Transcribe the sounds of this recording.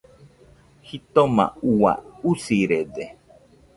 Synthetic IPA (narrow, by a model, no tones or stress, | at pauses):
hit̪oma̰uwa̰usiɾede